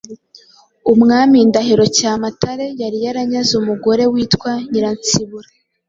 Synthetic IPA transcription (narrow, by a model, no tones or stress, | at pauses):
umŋaːmindaɦiɾo̞caːmatʰaɾe̞jaɾijaɾaɲazumuɡo̞ɾe̞wiːtkwaɲiɾant͡siβuɾa